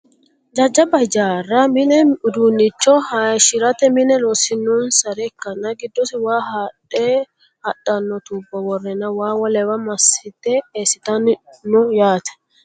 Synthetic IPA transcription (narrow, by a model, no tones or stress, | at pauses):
d͡ʒɐd͡ʒːɐbɐd͡ʒaːrːɐmɪnɛʊd̪uːnːɪt͡ʃːɔhaʃɪɾɐt̪ɛmɪnɛlosɪnːɔnsɐɾɛkːɐnːɐɡɪd̪ːɔsɪwaːɦatʼːeː | hɐt̪ʼːɐnːɔt̪uːbːɐwɔrːɛnɐwaːwɔlɛwɐmɐsɪt̪ːɛeːsɪt̪ɐnnʊjaːt̪ɐ̥